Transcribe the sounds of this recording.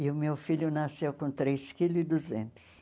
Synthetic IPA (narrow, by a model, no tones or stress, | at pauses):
ɪʊmewfiʎʊnasewkõt̪ɾeskilʊɪd̪uzẽnt̪ʊ̥s